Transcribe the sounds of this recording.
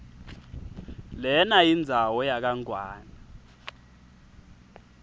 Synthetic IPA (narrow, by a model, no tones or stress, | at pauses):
lɛnajind͡zʱawɔjak̬aŋʱwaːna